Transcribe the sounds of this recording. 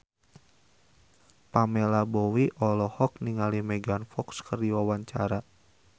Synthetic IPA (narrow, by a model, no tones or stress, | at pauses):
pamɛlabɔwiʔɔlɔhɔk̚niŋalimɛɡanfɔkskərdiwawaɲt͡ʃa̰ɾa